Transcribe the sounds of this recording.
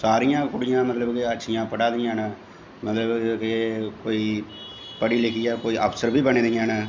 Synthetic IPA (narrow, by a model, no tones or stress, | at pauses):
saːɾɪjãːkʊɽɪjãːmət̪ləbkɪətːʃʰɪjãːpəɽãːd̪ɪjãːn | mət̪ləbkɪkoːiː | pəɽiːleːkijaːkoːiːʔa̰ːpʰsəɾbiːbənẽːd̪ɪjãːn